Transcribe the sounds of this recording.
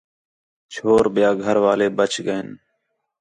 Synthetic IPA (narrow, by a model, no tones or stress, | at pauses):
t͡ʃʰoːɾɓɪjaːɡʱəɾʋaːleːbət͡ʃʰɡəɪn